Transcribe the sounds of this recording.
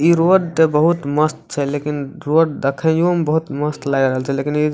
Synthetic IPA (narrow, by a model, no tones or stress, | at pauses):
iɾoɖt̪ebəɦut̪məst̪̚t͡ʃʰɛlekinɾoɖd̪əkʰɛ̃jumbəɦut̪məst̪laɡɾəɦəlt͡ʃʰɛlekini